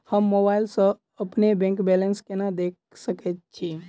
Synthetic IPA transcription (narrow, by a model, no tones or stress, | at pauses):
həmːobaɪlsə̃ | əpnebɛ̃ŋkbelənskenad̪ek̚ | səkɛt̪̚t͡ʃʰi